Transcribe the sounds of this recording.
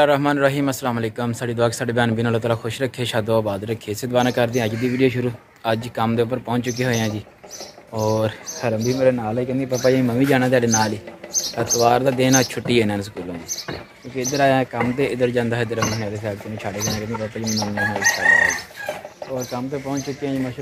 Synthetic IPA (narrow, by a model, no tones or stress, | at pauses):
laːɾəɦmaːnɾəɦiːməsːəlaːməleːkəmsaːɖiːd̪waːksaːɖeːbjaːnbinəlːaːt̪̬aːlaːkʰʊʃɾəkʰːeːʃaːd̪oːaːbaːd̪ɾəkʰːeːsɪd̪baːnãːkəɾd̪ẽəd͡ʒd̪iːʋiːɖijoːʃʊɾuː | əd͡ʒkəmd̪eːʊp̬ːəɾpɔ̃ːɲt͡ʃt͡ʃʊk̬ːeːɦoːãːd͡ʒiː | ɔːɾhəɾəbʱiːmeːɾeːnaːliːkənd̪ĩpaːpːaːd͡ʒeːməmiːd͡ʒaːñaːt̪ɪaːɖeːnaːliːt̪at̪əʋaːɾd̪aːd̪eːnãːt͡ʃʰʊʈːiːeːnənsəkuːlõːnẽː | kjõːkeɪd̪əɾaːjaːkəmt̪eːɪd̪əɾd͡ʒãːnd̪aːɦɪd̪əɾəmːɦaːd̪eːsaːɾt̪ʊnĩːt͡ʃʰaːɽeːd͡ʒanãːkənd̪ĩːpaːpːaːd͡ʒiːmməmĩːɦãːlisʰaːɾaad͡ʒiːɔːɾkəmt̪eːpɔ̃ːt͡ʃt͡ʃʊkːeːãːd͡ʒiːməʃ